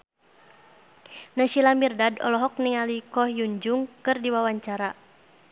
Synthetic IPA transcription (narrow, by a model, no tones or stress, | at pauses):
naʃilamirdadɔ̰lɔɦɔk̚niŋalikɔhjuɲd͡ʒuŋkɨrdiwawaɲt͡ʃaɾa